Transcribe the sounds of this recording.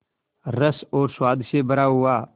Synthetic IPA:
ɾəsɔːɾswaːd̪ʃebəɾaːɦʊaː

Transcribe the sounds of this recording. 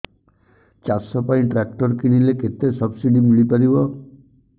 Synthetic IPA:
t͡ʃasɔpaĩʈɾak̚ʈɔɾkiɽ̃ileket̪esɔbsiɖimiɭipaɾibɔ

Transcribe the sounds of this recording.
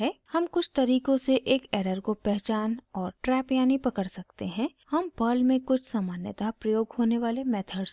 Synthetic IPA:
ɦɛːhɐmkʊt͡ʃʰt̪ɐɾiːkõseʔeːkɛːɾəɾkopɛɦt͡ʃaːnɔːɾʈɾɛːpjaːnipɐkəɽsɐkt̪eɦɛ̃ | hɐmbəːlmẽkʊt͡ʃʰsaːmaːnjət̪apɾɐjoːɡɦoːneʋaːlemɛːt̪ʰəɖs

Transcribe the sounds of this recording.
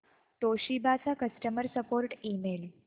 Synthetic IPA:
ʈoɕibʱat͡sakəsʈəməɾsəpoɾʈimel

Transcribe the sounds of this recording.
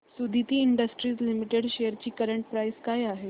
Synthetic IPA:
sud̪ʱit̪iːɳɖəsʈɾiːt͡slimiʈeɽɕejəɾt͡ɕiːkəɾəɳʈ̚pɾajskajaɦe

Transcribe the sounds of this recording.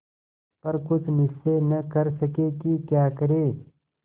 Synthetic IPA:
pɐɾkʊt͡ʃʰmɪsːenɐkɐɾsɐkeːkikjaːkɐɾeː

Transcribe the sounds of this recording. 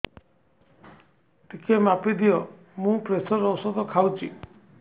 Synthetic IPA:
t̪ikʰemapid̪ijɔ | mũpɾesɔɾɔwsɔd̪ɔkʰawt͡ʃʰi

